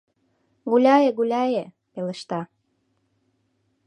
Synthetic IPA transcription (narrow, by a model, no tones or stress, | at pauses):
ɣulʲɑjeɣulʲɑje | pelə̆ʃt̪ɑ